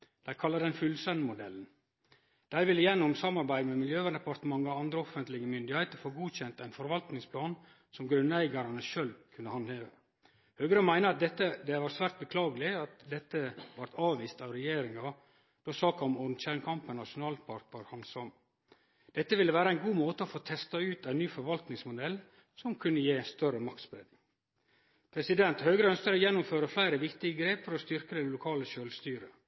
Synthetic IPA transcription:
d̪̥æɪkʰɑlːɑd̪ɛnfʉlsɛnmʊd̪ɛlːn̩ | d̪̥æɪʋɪlːəjɛnːɔmsɑmːɑɾbæɪd̪mɛmɪljøːʋænd̪ɛpʰɑɾt̪əmɑŋːɑɾɑnd̪ɾəɔfənt̪lɪɡəmʏnd̪ɪhæɪt̪əɾfoːɡuːçɛnt̪æɪnfɔɾʋɑlt̪nɪŋspʰlɑːn | sɔmɡɾʉnːæɪɡɑɾɑnəʃøːlkʰʉnːəhɑnd̪heːʋə | høːɡəɾəmæɪnəɾɑt̪̚d̪ɛt̪ːəd̪ɛʋɑːɾsʋæːɾt̪̚bəkʰlɑːɡəlɪɑt̪d̪ɛt̪ːəʋɑɾt̪ɑːʋʋiːst̪ɑʋɾɛjeːɾɪŋɑ | d̪̥ɔsɑːkɑɔmɔɾnɕæːɳkʰɑmpənnɑʂʊnɑːlpʰɑɾt̪əɾhɑnsɔm | d̪̥ɛt̪ːəʋɪlːəʋæːɾəæɪnɡuːmoːt̪əofoːt̪ʰɛst̪ɑʉːt̪æɪnnyːfɔɾʋɑlt̪nɪŋsmʊd̪ɛl | sɔmkʰʉnːəjeːst̪œɾəmɑk̚t̪sbɾɛd̪ | pʰɾɛsɪd̪ɛnt̪høːɡɾəœnskəɾɔjɛnːʊmføːɾəflæɪɾəʋɪkt̪ɪɡəɡɾeːpfəɾɔst̪ʏɾkəd̪ɛlʊkʰɑːləʃøːlst̪yːɾə

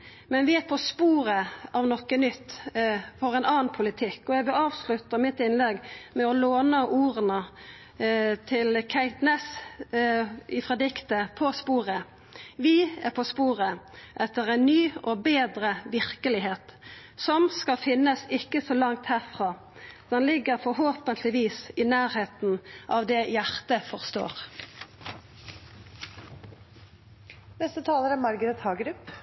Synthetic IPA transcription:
mɛnʋɪæɾpʰɔspuːɾəɑʋnɔkːənʏt̪ːfɔɾɛnɑːnpʰʊlɪt̪ʰɪkːɔjæɡʋɪlɑːʋslʉt̪ːəmɪt̪ɪnlɛɡmɛɔloːnəʔuːɾənə | t̪ʰɪlkʰæɪt̪nɛs | ɪfɾɑd̪ɪkt̪əpʰɔspuːɾə | ʋɪæɾpʰɔspuːɾəʔɛt̪ːəɾɛnnyːʔoːbeːd̪ɾəʋɪʁkəlɪɦeːt̪ | sɔmskɑfɪnːəsɪkːəsoːlɑŋt̪hæːʁfʁɑː | d̪̥ɛnlɪɡəɾfɔɾɦoːpənt̪ʰlɪʋiːsɪnæːɾheːt̪n̩ʔɑːʋd̪ɛjæʁt̪əfɔʁst̪o̰ːʁ | nɛst̪ət̪ʰɑːləɾɛmɑɾɡəd̪ət̪hɑːɡɾʉpː

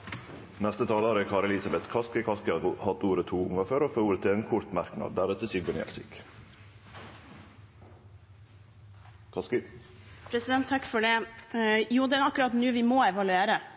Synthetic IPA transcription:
nɛst̪ət̪ʰɑːloɾəkʰɑːɾɛlɪsɑbɛt̪kʰɑskəkʰɑskəɑhɑt̪uːɾət̪ʰuːʊŋɑføːɾoːfoːuːɾət̪ʰɪeːnkʰʊɾt̪mɑɾknɑ̰d̪̚d̪æɾʉt̪əsɪɡbɔnɛ̰lsḭːk | kʰɑsk | pʰɾɛsɪd̪ɛnt̪ʰːɑkːfɔɖɛ | juːd̪ɛɑkːʉɾɑt̪nʉːʋɪmɔɛʋɑlʉeːɾə

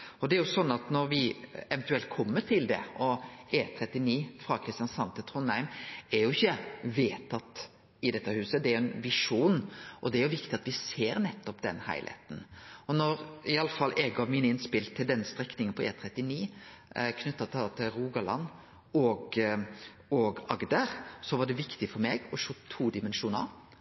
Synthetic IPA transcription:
ɔd̪ɛɛɾjʊsɔnːɑt̪nɔɾʋɪɛʋɛnt̪ʉɛlt̪̚kʰɔmːəʈ̪ʰɪld̪ɛ̰ɔeːt̪ʰɾɛt̪ːɪniːfɾɑkʰɾɪst̪ɪjɑnsɑnt̪ət̪ʰʁʊnæɪmɛɾjʊɪçːəʋeːt̪ʰɑt̪ː | ɪd̪ɛt̪ːəhʉːsəd̪ɛæɾʊɛnʋɪʂuːnʔɔd̪ɛæɾjʊʋɪkt̪ɪɑt̪ʋɪseːɾnɛt̪ːɔpd̪ɛnhæ̰ɪlʔæ̰ːt̪n̩ɔnɔɾɪɑlːəfɑlːʔɛɡɑʋmiːnəɪnspɪlt̪ʰːɪld̪ɛnst̪ɾɛknɪŋənpʰɔʔḛːt̪ʰɾɛt̪ːɪniː | kʰnʉt̪ːɑt̪ʰt̪ʰɪlɾuːɡɑlɑ̰n | ɔɡ | ɔɡɑɡd̪əɾsɔʋɑɖɛʋɪkt̪ɪfɔɾmeːɡɔʂoːt̪ʰːuːd̪ɪmɛnʂuːnə̰ɾ

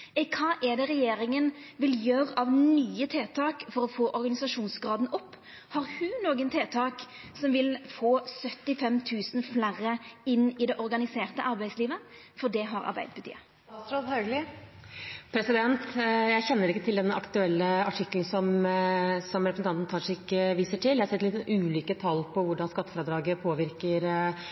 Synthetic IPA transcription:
ɛkʰɑːʔɛd̪ɛʁɛjeːɾɪŋənʋɪljøːʁɑʋnyːət̪ʰeːt̪ʰɑːkfɔɾɔfoːʔɔɾɡɑnɪsɑʂuːnsɡɾɑːd̪nʔɔpː | hɑɾhʉnoːɡənt̪ʰeːt̪ʰɑːk | sɔmʋɪlfoːsœt̪ːɪfɛmt̪ʰʉːsən̩flæɾəɪnːɪd̪ɛʔɔɾɡɑnɪseːʁt̪əʔɑɾbæɪsliːʋə | fɔɖ̪ɛɦɑɾɑ̰ɾbæ̰ɪd̪əpʰʉt̪ḭːə | t̪ɾɑlhɑɡlɪ | pʰɾɛsɪd̪ɛnt̪jæɪçɛnːəɾɪkːət̪ʰɪld̪ɛnːʔɑkt̪ʉɛlːəɑʈʰɪkːlnsɔm | sɔmɾɛpɾsn̩ɑnt̪nt̪ʰɑːʂɛɪkːəʋiːsəʈʰɪljæɪhɑɾsɛt̪ːlɪt̪ʉːliːkət̪ʰɑlːpʰɔʋʊɖɑnskɑt̪ːəfɾəd̪ɾɑːɡəpʰoːʋɪɾkəɾ

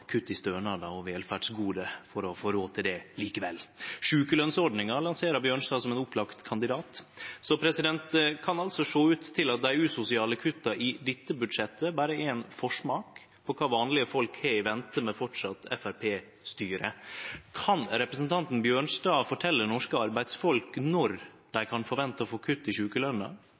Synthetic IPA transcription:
kʰʉt̪ːɪst̪øːɳɑd̪ɑɔʋeːlfæɖsɡuːd̪əfɔɾɔfoːɾoːt̪ʰɪld̪ɛliːkəʋɛ̰lʂʉːkəlœnsɔɖnɪŋɑɭɑnseːɾɑbjøːɳsd̪ɑːsɔmɛnʊpʰlɑkt̪kʰɑnd̪ɪd̪ɑːt̪sɔpʰɾɛsɪd̪ɛnt̪kʰɑnɑlsɔʂoːʉːt̪ʰːɪlɑt̪̚d̪æɪʉːsʊsɪɑːləkʰʉt̪ːɑʔɪd̪ɪt̪ːəbʉd̪ʂɛt̪ːəbæːɾəɛnfɔʂmɑːk | pʰɔkʰɑːʋɑːnlɪəfɔlkhɛɪʋɛnt̪əmɛfɔʈʂɑt̪ːɛ̰fæɾpʰeː | st̪yːɾə̰kʰɑnɾɛpɾəsnt̪ʰɑnt̪n̩bjøːɳʂd̪ɑːfɔʈʰɛlːənɔʂkəɑɾbæɪd̪sfɔlknɔɾ | d̪̥æɪkʰɑnfɔɾʋɛnt̪əɔfoːkʰʉt̪ːɪʂʉːkəlœnɑ̰

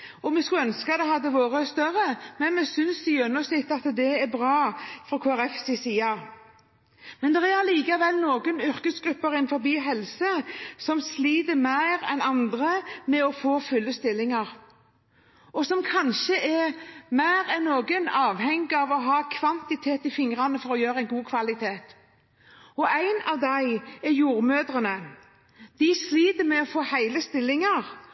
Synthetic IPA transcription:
ɔmɛskʉœnskəɑt̪ɛɦɑd̪ːəʋoːʁəst̪œɾəmɛnmɛsʏnsɪjœnːɔsnɪt̪ːɑt̪d̪ɛɛbɾɑːfɾʁɔkʰoːæʁɛfsɪsiːɑ | mɛnd̪ɛʁæliːkɑʋɛlnoːɡənʏɾkəsɡɾʉpːəɾɪnfɔɾbiːɦɛlsəsɔmsliːd̪əmæɪɾɛ̰nɑnd̪ʁəmɛɔfoːfʉlːəst̪ɪlːɪŋɑɾ | ɔsɔmkʰɑnʃəʔɛmæɪʁɛnːoːɡənɑːʋhɛŋɡɪɑʋɔɦɑːkʰʋɑnt̪ɪt̪ʰeːt̪ɪfɪŋɾɑnəfɔɾɔjøːɾəæɪnɡuːkʰʋɑlɪt̪ʰeːt̪ | ɔʔæɪnɑʋd̪æɪɛjuːʁmøːd̪ɾənə | d̪̥ɪsliːd̪əmɛɔfoːhæɪləst̪ɪlːɪŋɑʁ

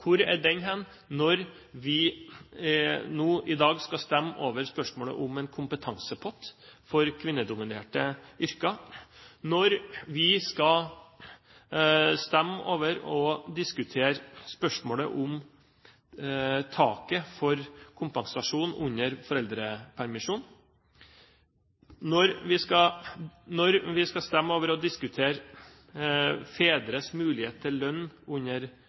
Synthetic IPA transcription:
kʰʊɾɛ̰ɖɛnɦɛn | nɔɾ | ʋɪ | nuːʔɪd̪ɑːɡskɑst̪ɛmːo̰ːʋəɾspœʂmoːlə̰ʔʊmɛnkʰʊmpət̪ʰɑŋsəpʰɔt̪ːfɔɾkʰʋɪnːəd̪ʊmɪneːʈəʏɾkɑ | nɔɾʋɪskɑ | st̪ɛmːo̰ːʋəɾɔd̪ɪskʉt̪ʰeːɾspœʂmoːlə̰ʔʊm | t̪ʰɑːkəfɔɾkʰʊmpɑŋsɑʂuːnʉɲːəɾfɔɾɛld̪ɾəpʰæɾmɪʂuːn | nɔɾʋɪskɑ | nɔɾʋɪskɑst̪ɛmːoːʋəɾɔd̪ɪskʉt̪ʰeːɾ | feːd̪ɾəsmʉːlɪheːt̪̚t̪ʰːɪllœnːʉɲəɾ

